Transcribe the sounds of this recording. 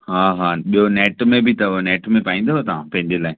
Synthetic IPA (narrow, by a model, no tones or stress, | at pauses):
ɦaːɦaːɓijoneːʈmẽbʱɪt̪ɐneːʈmẽpaːĩnd̪oʋot̪aʋãpɐ̃ɦɪ̃ɲd͡ʑelaːɪ